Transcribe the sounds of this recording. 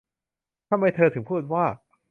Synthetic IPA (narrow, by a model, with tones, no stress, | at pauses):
t̪ʰa˧mːa˧jt̪ʰɤː˧t̪ʰɯ˨˩˦ŋpʰuː˥˩t̪̚waː˥˩